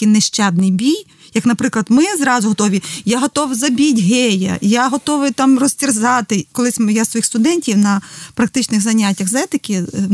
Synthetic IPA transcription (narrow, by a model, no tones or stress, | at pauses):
kinɛʃt͡ʃɛd̪̚nɪjbʲij | jɐknɐpɾɪklˠɐd̪mɪzɾɑzʊɦɔt̪ɔʋʲijaɦɔt̪ɔwzɐbʲitʲɦɛjɐ̰jaɦɔt̪ɔʋɪjt̪ɑmrɔsʲtʲirzɑt̪ɪkɔlˠɪsʲmjasʋɔjixst̪ʊd̪ɛnʲtʲiwnɐpɾɐk̚t̪ɪt͡ʃnɪxzɐnʲatʲːɐxzɛt̪ɪkʲɪ